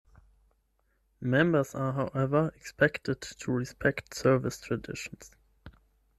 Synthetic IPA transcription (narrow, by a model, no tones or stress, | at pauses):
mɛ̃mbə˞zaɦaʊʔɛvə˞ɛkspʰɛktɨdtʰuɹɪspʰɛktsɜ˞vɪstʰɹ̥ədɪ̰ʃn̩s